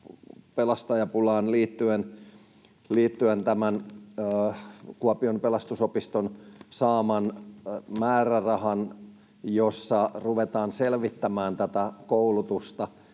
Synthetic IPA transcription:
pelɑst̪ɑjɑpulɑːnliːt̪ːyen | liːt̪ːyent̪æmænː | kuɑpiompelɑst̪usopist̪onsɑːmɑnmæːrærɑhɑn | josːɑruʋet̪ɑːnselʋit̪ːæmæːnt̪æt̪ækoulut̪ust̪ɑ

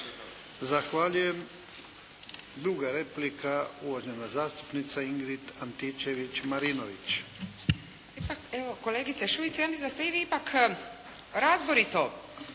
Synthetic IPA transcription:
zaxʋaːʎujem | d̪ɾuɡaɾeplikauʋoʒenazaːst̪u̥pnit̪saiŋɡɾit̪ant̪it͡ʃeʋit͡ʃmaɾinoʋit͡ʃ | ipakeʋokoleːɡit̪seʃuit̪sijamisind̪ast̪eiʋiipak | ɾazboɾit̪o

